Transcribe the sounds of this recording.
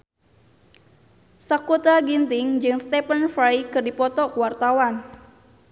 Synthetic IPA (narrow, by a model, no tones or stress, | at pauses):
sakot̪aɡint̪ɪŋd͡ʒɨŋst̪ɛpənfɾajkɨrdipɔt̪ɔkuwart̪awan